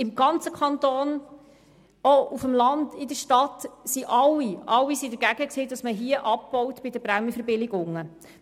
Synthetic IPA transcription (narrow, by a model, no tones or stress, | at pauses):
ɪmɡ̥ɑnt͡səkʰɑntoːn | oʔufəmlɑndɪdəɾʃtɑtsiʔɑwiʔɑwːisidəɾɡæɡəkseːd̥ɑsməɦiəʔɑp̚b̥ɔwtb̥ɪdəbɾæməfəɾbɪlɪɡʊŋːə